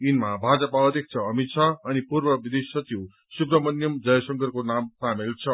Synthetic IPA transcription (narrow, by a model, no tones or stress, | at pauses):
inmabʱad͡zʌpaʌd̪ek̚t͡sʰʌʌmit̪t͡sʰʌːnipurbʌbid̪essʌtiw | sukrʌmʌnjʌmd͡zʌjʌsʌŋɡʌrkonamsamelt͡sʰʌ